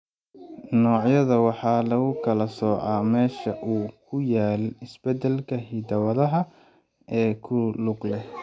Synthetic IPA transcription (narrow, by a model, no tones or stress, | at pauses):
nɔːʕjɐðɐwɑħɑːlɐɣʊkʰɐlɐsɔːʕɑːmɛːʃɐʔuːkʰʊjaːlɪsb̥ɛd̪ɛlkʰɐɦid̪ɐwɐðɐɦɐ | ɛːkʰʊlʊɡlɛh